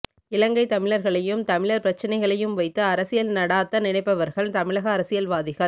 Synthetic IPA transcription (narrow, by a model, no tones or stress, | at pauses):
ɪlɐŋɡɐɪt̪ɐmɪɭɐɾɣɐɭɐjɯmt̪ɐmɪɭɐɾpɪɾɐt͡ʃːɐnɐɪɣɐɭɐjɯmʋɐɪt̪ːɯɐɾɐsɪjɐlnɐɽaːt̪ːɐnɪnɐɪpːɐʋɐɾɣɐɭt̪ɐmɪɭɐɣɐːɾɐsɪjɐlʋaːðɪɣɐ